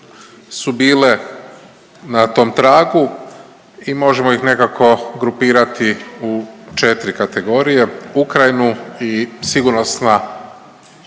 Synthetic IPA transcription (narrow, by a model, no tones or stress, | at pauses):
subiːle̞ | nat̪o̞ːmt̪ɾaːɡu | imo̞ʒemoixne̞kakʰo̞ɡɾupiːɾat̪iut͡ʃet̪ɾikat̪e̞ɡo̞ːɾije̞ukɾajnuisiɡuɾnosna